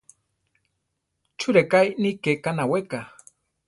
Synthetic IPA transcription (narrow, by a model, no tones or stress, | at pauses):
t͡ʃuɾekajnikekanaweka